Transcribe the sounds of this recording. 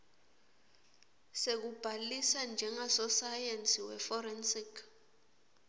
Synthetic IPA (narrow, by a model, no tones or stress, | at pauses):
sek̬ub̥ʱalisand͡ʒʱɛŋasɔsajensʼiwɛfɔrɛnsikʰ